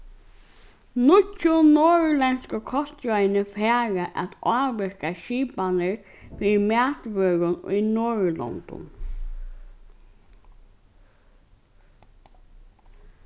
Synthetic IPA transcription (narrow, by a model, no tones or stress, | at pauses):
nʊcːʊnoːɻlɛnskəkʰɔst̪jɔjnəfɛːɻəʔæt̪ɑːʋɪɹkaʃiːpanəɹ | fiːðmæːt̪ʋøːɣʊnʊ̰jnoːɹlɔ̰nt̪ʊ̰n